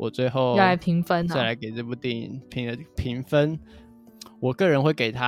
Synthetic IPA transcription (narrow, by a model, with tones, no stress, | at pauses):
wʔɔ̰˨˩t͡swe˥˧ɪxo˥˨ʊ˥˧a˨˥pʰi˨˧˥ŋfə˦na˥˩ɪ˨la˧˥ɪke˨˩ɪt͡sə˥˧˩pu˥˧˩t̪i˥˩nḭ˨˩npʰi˧˥ŋə˧˩pʰi˧˥ŋfə˦n | wɔ˨˩kɤ˥˨ɻə˧˦nxwe˥˩ɪke˨˩ɪt̪ʰa˦